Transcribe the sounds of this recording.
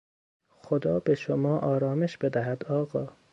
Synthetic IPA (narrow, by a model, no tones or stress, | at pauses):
xod̪ɒːbeʃomɒːʔɒːɾɒːme̞ʃb̥e̞d̪æɦæd̪ɒːɣɒː